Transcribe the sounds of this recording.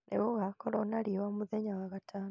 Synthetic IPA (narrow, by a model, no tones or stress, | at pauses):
nʔḛβuɣakoɾonaliwamuðeɲawaɣatʰaːno